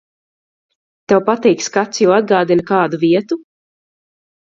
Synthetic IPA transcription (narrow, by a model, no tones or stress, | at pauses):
t̪ɛwpat̪ɛjkskat̪sjuːad̪̚ɡaːd̪inkaːd̪uviɛt̪u